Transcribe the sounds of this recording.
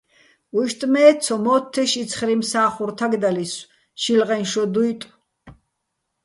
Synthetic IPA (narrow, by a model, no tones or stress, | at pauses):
uʃt̪ʼmɛːsʰɔmɔːt̪ʰːɛʃisʰχɾimsaːχuɾt̪ʰaɡd̪alis | ʃilʁɛnʃɔd̪ujt̪ʼ